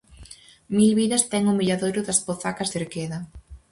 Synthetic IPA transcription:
milβiɾɐst̪ɛŋumiʎaðojɾʊðɐspoθakazðeɾkeðɐ

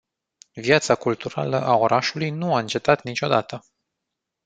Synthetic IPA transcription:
vjat̪sakult̪uɾa̰ləʔao̞ɾʔaʃulujnuaɨnt͡ʃe̞t̪at̪nit͡ʃʲo̞d̪at̪ə

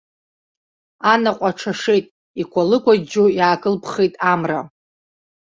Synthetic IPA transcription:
anaqʷʼaʈ͡ʂʰaʂejtʼ | ikʷʰalɨkʷʰʼad͡ʒujaːɡʼɨlpʰχejtʼamra̰

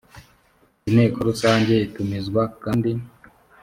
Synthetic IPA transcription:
inhe̞ːkoɾusaːɲɟe̞itumizɡwakaːndi

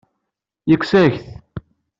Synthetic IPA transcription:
jəkʷːsæçθ

